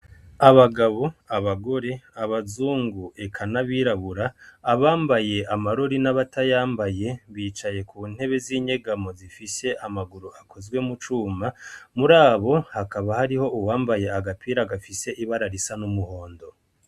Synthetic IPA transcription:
aβaɡaβo̞aβaɡo̞ɾe̞aβazuːŋɡue̞kʰanaβiːɾaβuɾaːβaːmbaje̞ʔamaɾoɾinaβatajaːmbaje̞βiːt͡ʃaje̞kuːn̥he̞βe̞ziːɲe̞ɡamo̞zifise̞ʔamaɡuɾuʔakʰo̞zɡwe̞mut͡ʃuːmamuɾaːβo̞hakaβahaɾiho̞uwaːmbaje̞aɡapʰiːɾaɡafise̞ʔiβaɾaɾisanumuho̞ːndo̞

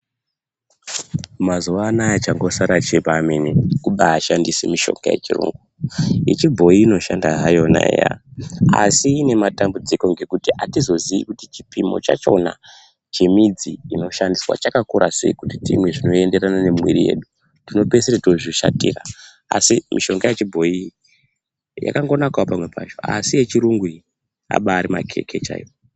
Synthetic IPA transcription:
mazuʋaːnajat͡ʃaŋɡo̞saɾat͡ʃepaːmenekuɓaːʃandisemiʃo̞̰ŋɡa̰je̞̰t͡ʃirṵːŋɡuit͡ʃibʱo̞iːno̞ʃandaɦajo̞na̰ḛja̰a̰siːne̞matambud͡ziko̞ŋɡe̞kutiʔatizo̞ziikutit͡ʃipimo̞̰t͡ʃa̰t͡ʃo̞na̰ | t͡ʃe̞mid͡ziino̞ʃandiswa̰t͡ʃakakuɾʔase̞̰ikutitḭmwe̞ʐino̞e̞nde̞ɾanane̞mwiɾije̞̰ːɗu | tino̞peseɾetoʐiʃa̰tiːra | asimḭʃo̞ŋɡajet͡ʃibʱo̞i | ja̰kaŋɡo̞nakawopamwe̞pʰa̰t͡ʃo̞a̰sije̞t͡ʃiɾuŋɡwi | a̰ɓaːɾima̰kʰe̞̰kʰe̞t͡ʃa̰ːjio

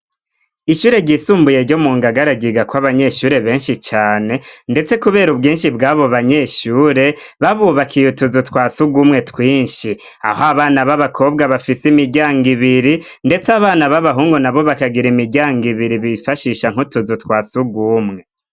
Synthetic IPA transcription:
iʃuːɾeɟisuːmbuje̞ɾɟo̞muːŋɡaɡaɾaɟiɡakwaβaɲe̞ʃuːɾe̞βe̞ːnʃit͡ʃaːne̞nde̞t͡se̞kuβeːɾubɡiːnʃibɡaːβo̞βaɲe̞ʃuːɾe̞βaβuβakʰijutuzutwaːsuɡumŋe̞twiːnʃi | a̰hoaβaːnaβaβakʰo̞b̚ɡaβafisimiɟaːŋɡiβiɾi | nde̞t͡saβaːnaβaβaɦuːŋɡonaβo̞βakaɡiɾimiɟaːŋɡiβiɾiβifaʃiːʃaŋ̥hutuzutwaːsuɡuːmŋe̞

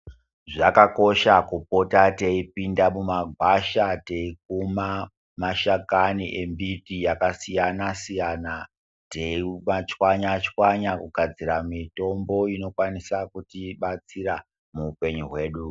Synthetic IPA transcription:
ʐakako̞ʃakupo̞tateipindamumaɡʱwaʃate̞ik̚uma | maʃakaniʔe̞mbitijakasijanasijana | teimat͡ʃwaɲat͡ʃkwaɲakuɡʱad͡ziɾamito̞mbo̞ino̞kwanisakutiɓat͡sira | muːpe̞ɲuɦwe̞ːɗu

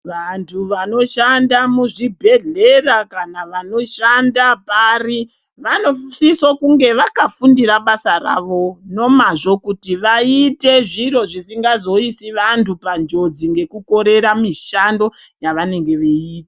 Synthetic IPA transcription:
ʋantʰuʋano̞ʃandamuʐibʱe̞ɮe̞rakanaʋano̞ʃandapari | ʋano̞sisokuŋɡe̞ʋakafundiɾaɓasara̰ʋo̞no̞maʐo̞kutiʋaite̞ʐiro̞ʐisiŋɡazo̞isiʋantupand͡ʒo̞d͡ziŋɡe̞kuko̞ɾe̞ɾamiʃando̞ | jaʋane̞ŋɡe̞ʋeiːtḁ

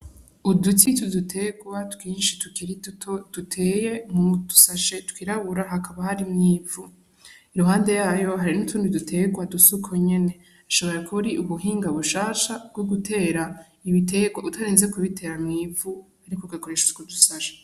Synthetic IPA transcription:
udutitudutʰe̞ɡwatkwiːnʃitukiɾitutod̥utʰe̞je̞mudu̥saʃe̞tu̥kiɾaβuɾaɦakaβahaɾimŋiːvu | iɾuɦaːnde̞jaːjo̞ɦaɾinutʰuːndidutʰe̞ɡwadusukʰoɲe̞ne̞ | aʃoβo̞ɾekʰuɾiʔuβuɦiːŋɡaβuʃaːʃabɡ̥oɡutʰe̞ːɾa | iβite̞ːɡwautʰaɾeːnzekuβitʰe̞ːɾamŋiːvu | aɾikoɡwakoɾeʃuu̥kudusaʃḁ

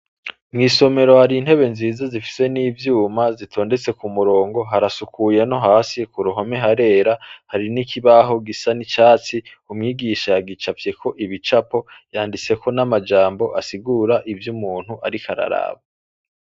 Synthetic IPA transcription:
mŋiːso̞me̞ɾo̞haɾiːn̥he̞βe̞nziːzazifi̥se̞niːvjuːmazitʰo̞ːnde̞t͡se̞kumuɾo̞ːŋɡo̞ɦaɾasukuje̞no̞ɦaːsikuɾuɦome̞ɦaɾe̞ːɾahaɾinikiβaɦo̞ɡisanit͡ʃaːt͡si | umŋiːɡiʃajaɡit͡ʃavje̞kʰo̞ʔiβit͡ʃapo̞jaːndit͡se̞kʰo̞namad͡ʒaːmbo̞ʔasiɡuɾaʔivjumuːn̥huʔaɾikaɾa̰ɾa̰ːβa

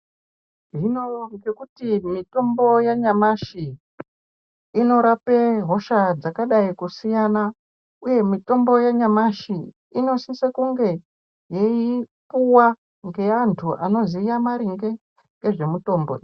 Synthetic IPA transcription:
ʐino̞ŋɡe̞kutimito̞mbo̞jaɲamaʃi | no̞ɾapeɦo̞ʃad͡zakaɗaikusijana | uje̞mito̞mbo̞jaɲamaʃi | ino̞sisekuŋɡe̞ | je̞ipuwa | ŋɡe̞antʰuʔano̞zijamaɾiŋɡe̞ | ŋɡe̞ʐe̞muto̞ːmbo̞̰

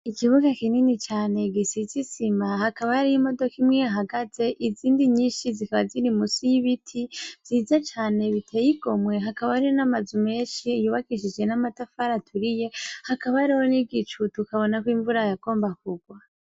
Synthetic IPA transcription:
ikiβuɡakininit͡ʃaːne̞ɡisit͡sisimahakaβahaɾijimo̞do̞kimŋejaɦaɡaze̞ʔiziːndiɲiːʃizikaβaziɾimusujiβitʰivz̥iːzat͡ʃaːne̞βitʰejiɡo̞mwe̞ɦakaβaɾiwonamazume̞ːʃijuβakiʃid͡ʒɡe̞namatafaɾatʰuɾije̞hakaβaɾiho̞niɡit͡ʃutukaβo̞nakwiːɱvuɾajaɡo̞ːmbakuɡwa

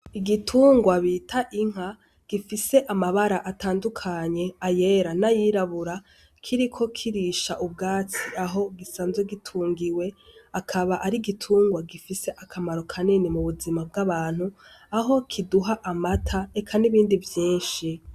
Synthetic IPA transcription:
iɡitʰuːŋɡwaβitʰaʔiŋ̥a | ɡ̥ifise̞ʔamaβaɾaʔataːndukʰaɲe̞aje̞ːɾanajiɾaβuɾa | kʰiɾikʰo̞kʰiɾiʃaʔub̚ɡaːt͡siaɦo̞ɡisaːnzeɡitʰuːŋɡiwe̞akʰaβaʔaɾiɡitʰuːŋɡwaɡifise̞ʔakʰamaɾo̞kʰaninimuβuzimab̚ɡaβaːn̥hu | aɦo̞kʰiduɦaʔamatʰaekʰaniβiːndivjiːnʃi

